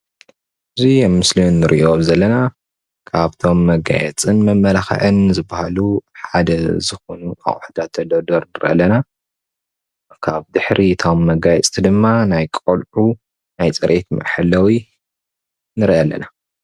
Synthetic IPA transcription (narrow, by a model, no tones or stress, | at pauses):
ʔɨzimːɨslunːɨɾʔiʔozɐlːɐna | kʰaβt̪ʰo̞mːɐɡa̰jɛ̰t͡sʼɨnmɐmːɐlaxɐ̰ʕɨnzɨbahaluħad̪ɐzɨxonua̰χʼħd̪at̪ʰːɐd̪ɐd̪oɾnɨɾʔɐ̰lːɐna | kʰaβd̪ɨħɾit̪ʰo̞mːɐɡajɛt͡sʼt̪ʰid̪ɨmːanajkʼolʕu | najt͡sʼɨɾʔet̪mɐ̰ʔħɨlːɐwi | nɨɾʔɐlːɐ̰na